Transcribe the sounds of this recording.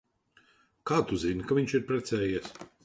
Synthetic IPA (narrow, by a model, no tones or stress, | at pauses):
kaːt̪uzinkaviɲt͡ʃiɾpɾɛt̪sɛːjiɛs